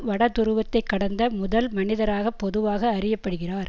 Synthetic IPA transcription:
ʋɐɽɐt̪ːʊɾɯʋɐt̪ːɐɪkːɐɽɐnd̪ɐmʊðɐlmɐnɪðɐɾaːɣɐpːɔðɯʋaːɣɐːrɪjɐpːɐɽɯɣɪraːɾ

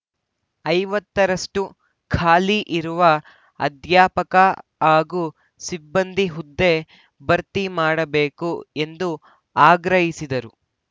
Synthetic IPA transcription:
ɐjʋɐt̪ːɐɾɐʂʈu | kʰaːliʔiɾuʋɐ | ɐ̰d̪jaːpɐkɐaːɡu | sibːɐnd̪ʱiɦud̪ːe̞ | bɐɾt̪imaːɽɐbe̞ːkue̞nd̪u | aːɡɾɐɦisid̪ɐɾu

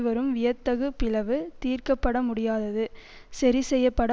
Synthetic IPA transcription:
ʋɐɾɯmʋɪjɐt̪ːɐɣɯpːɪlɐʋɯt̪iːrkɐpːɐɽɐmʊɽɪjaːðɐðɯ | sɐɾisɛjːɐpːɐɽɐ

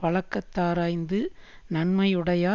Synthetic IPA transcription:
pɐɭɐkːɐt̪ːaːɾaːjnd̪ɯ | nɐɳmɐjɯɽɐjaː

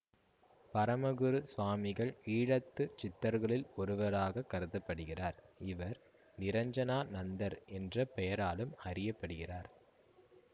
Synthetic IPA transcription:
pɐɾɐmɐɣɯɾɯsʋaːmɪɣɐɭiːɻɐt̪ːɯt͡ʃɪt̪ːɐɾɣɐɭɪlɔɾɯʋɐɾaːɣɐkːɐɾɯðɐpːɐɽɯɣɪraːɾɪʋɐɾ | nɪɾɐɲd͡ʒɐnaːnɐnd̪ɐɾɛndrɐpɛjɐɾaːlɯmɐrɪjɐpːɐɽɯɣɪraːɾ

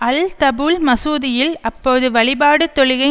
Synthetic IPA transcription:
ɐlt̪ɐbuːlmɐsuːðɪjɪlɐpːoːðɯʋɐɭɪbaːɽɯt̪ːɔɻɪɣɐ

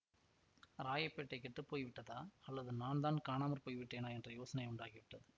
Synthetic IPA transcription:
ɾaːjɐpːeːʈːɐɪkɛʈrɯpːoːjʋɪʈːɐðaːɐlːɐðɯnaːnd̪aːnkaːnaːmɐɾpoːjʋɪʈːeːnaːɛndrɐjoːsɐnɐɪʊɳɖaːɣiʋɪʈːɐðɯ

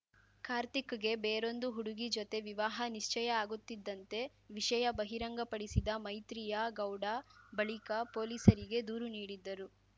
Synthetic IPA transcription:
kaːɾt̪ikɐɡe̞beːɾo̞nd̪uɦuɽuɡid͡ʒot̪e̞ʋiʋaːɦɐniʂt͡ʃɐjɐaːɡut̪ːid̪ːɐnt̪e̞ | ʋiʂɐjɐbɐɦiɾɐŋɡɐpɐɽisid̪ɐmɐjt̪ɾijɐɡɐwɽabɐɭikɐpo̞ːliːsɐɾiɡe̞d̪uːɾuniːɽid̪ːɐɾu

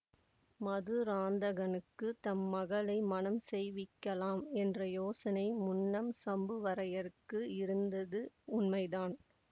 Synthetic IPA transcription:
mɐðɯɾaːnd̪ɐɣɐnɯkːɯt̪ɐmːɐɣɐlɐɪmɐnɐmsɛjʋɪkːɐlaːmɛndrɐjoːsɐnɐɪmʊnːɐmsɐmbɯʋɐɾɐjɐɾkːɯɪɾɯnd̪ɐðɯʊnmɐɪðaːn

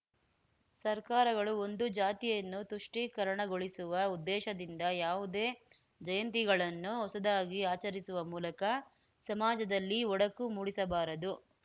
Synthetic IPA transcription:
sɐɾkaːɾɐɡɐɭuo̞nd̪ud͡ʒaːt̪ijɐnːut̪uʂʈikɐɾɐɳɐɡo̞ɭisuʋɐud̪ːɛːʃɐd̪ind̪ɐjaːʋud̪eː | d͡ʒɐjɐnt̪̬iɡɐɭɐnːuɦɔsɐd̪aːɡiaːt͡ʃɐɾisuʋɐmuːlɐkɐ | sɐmaːd͡ʒɐd̪ɐlːiɔɽɐkːumuːɽisɐbaːɾɐd̪u

